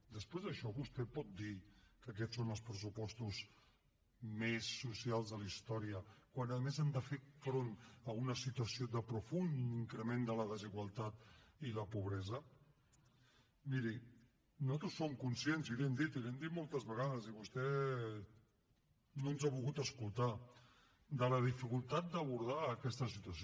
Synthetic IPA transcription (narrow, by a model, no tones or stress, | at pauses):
d̪əspɾezðəʃɔβust̪ɛpɔt̪̚d̪ikək̬ɛsonəlˠspɾəs̬upɔst̪uz | mesːusialˠzðəlist̪ɔɾiəkwanəðəmezand̪əfefɾonəunəsit̪uəsioðəpɾufuniŋkɾəmend̪ələðəziɣwəlˠt̪at̪iləpuβ̞ɾɛzə | miɾi | not̪usoŋkunsienzilɛmd̪it̪ilɛmd̪it̪molˠt̪əzβəɣað̞əziβust̪ɛ | nonzaβulɣut̪əskulˠt̪a | d̪ələð̞ifikulˠt̪at̪̚d̪əβ̞uɾð̞aːkɛst̪əsit̪uəs